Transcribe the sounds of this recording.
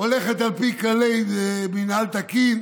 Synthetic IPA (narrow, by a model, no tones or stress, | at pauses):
oleχet̪alpikalejneminalt̪akin